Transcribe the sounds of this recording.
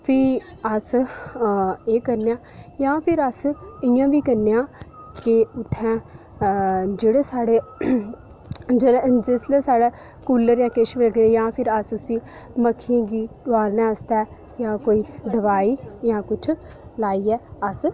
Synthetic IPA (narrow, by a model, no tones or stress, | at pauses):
pʰɪəs | eːkəɾnejãːjãːpʰɪɾəsɪjãːʋiːkəɾneːãːkɪʊt̪ʰːɛ̃ː | d͡ʒeːɽeːsaːɽeː | d͡ʒed͡ʒɪsleːsaːɽɛː | kuːləɾjãːkeʃʋeləɡñːjãːpʰɪɾəsʊsĩː | məkʰːɪjãːɡiːtʊaːlnɛ̃ːəst̪ɛː | jãːkoːiːd̪əʋaːiːjãːkʊt͡ʃʰ | laːiːɛːəs